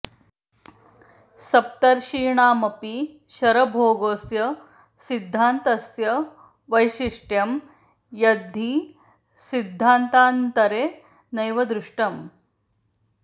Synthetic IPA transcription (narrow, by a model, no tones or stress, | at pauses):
sɐp̚t̪ɐɾʃiːɳaːmɐpi | ʃɐɾɐbʱoːɡoːsjɐ | sid̪ʱːaːnt̪ɐsjɐ | ʋɐjʃiʂʈjɐm | jɐd̪ʱːi | sid̪ʱːaːnt̪aːnt̪ɐɾeː | nɐjʋɐd̪ɾuʂʈɐm